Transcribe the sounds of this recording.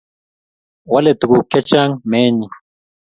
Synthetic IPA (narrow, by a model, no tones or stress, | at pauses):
wɐlet̪ukuket͡ʃaŋmeːɲi